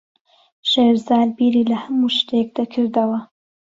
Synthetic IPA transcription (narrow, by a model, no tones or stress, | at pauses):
ʃeːɾzaːlbiɾilɐhamuʃt̪ek̚d̪akʰɨɾd̪ɐwɐ